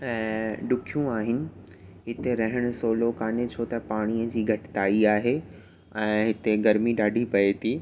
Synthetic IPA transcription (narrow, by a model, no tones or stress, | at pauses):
ɛ̃ːɖʊkʰijũaːɦɪnɪ̆ | ɦɪt̪eɾɐɦɪɽ̃ʊ̆soːlokaːnet͡ɕʰoːt̪ɐpaːɽ̃ijəd͡ʑiːɡʱɐʈɪ̥t̪aːiaːɦe | ɛ̃ːɦɪt̪eɡɐɾmiɗaːɖʱipɐet̪ʰiː